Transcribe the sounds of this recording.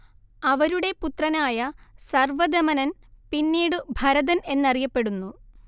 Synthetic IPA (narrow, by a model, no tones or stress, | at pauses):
ɐʋɐɾuɽe̞put̪rɐnaːjɐsɐrʋɐd̪ɐmɐnɐnpinːiːɽɨbʱɐɾɐðɐne̞nːɐrijɐpːe̞ɽunːu